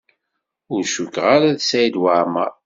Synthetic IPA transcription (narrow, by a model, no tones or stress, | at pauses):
ʊɾʃukːʁaɾaðsæjd̪waɾma